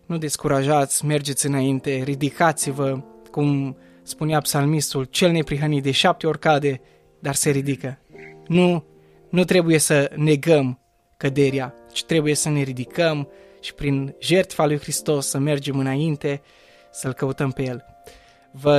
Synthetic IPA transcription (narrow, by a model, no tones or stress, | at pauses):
nud̪e̞skuɾaʒat̪sʲme̞rd͡ʒe̞t̪sʲɨnaint̪e̞ɾid̪ikat̪sivəkum | spuneapsalmist̪ult͡ʃe̞lne̞pɾiɦənit̪̚d̪e̞ʃap̚t̪eo̞rkad̪e̞ | d̪arse̞ɾid̪ikənu | nut̪ɾe̞buje̞səne̞ɡəm | kəd̪e̞ɾia | t͡ʃi̥t̪ɾe̞buje̞səne̞ɾid̪ikʰəm | ʃi̥pɾinʒe̞rt̪falujxɾist̪o̞sːəme̞rd͡ʒe̞mɨnaint̪e̞ | səlkəut̪əmpeje̞l | və